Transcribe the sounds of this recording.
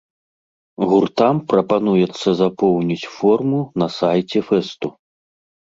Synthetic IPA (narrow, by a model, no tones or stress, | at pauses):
ɣurt̪ampɾɐpanujɛt̪sːɐzapɔwnʲit͡sʲfɔrmunɐsajt͡sʲɛfɛst̪u